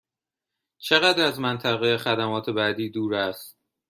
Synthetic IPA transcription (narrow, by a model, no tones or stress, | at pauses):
t͡ʃʰeɣæd̪ɾæzmænt̪ʰæɣejexæd̪æmɒːt̪ʰe̞bæːd̪iːd̪uːɾæst̪̚